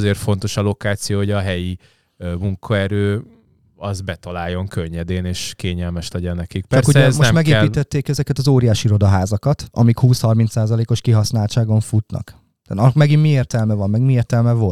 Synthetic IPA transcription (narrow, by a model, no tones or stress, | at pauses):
zeːrfo̞nt̪o̞ʃɒlo̞kaːt̪sijoːhoɟɒɦɛji | muŋkʰɒɛɾøː | ɒzbɛt̪ɒlaːjːo̞ŋkʰøɲːɛd̪eːneːʃkeːɲɛlmɛʃlɛɟɛnːɛkik̚pɛt͡ʃɔrskuɛɛmoʃt̪mɛɡeːpiːt̪ɛt̪ːeːkɛzɛkɛt̪ɒzoːɾijaːʃiiɾo̞d̪ɒɦaːzɒkɒt̪ɒ̰mikhuːshɒrmint̪saːzɒleːko̞ʃkiɦɒsnaːlt͡ʃaːɡo̞ɱfut̪nɒ̰k̪ː | ɒmɛɡimmieːrt̪ɛlmɛvɒmːɛɡmieːrt̪ɛlmɛvo̞lt̪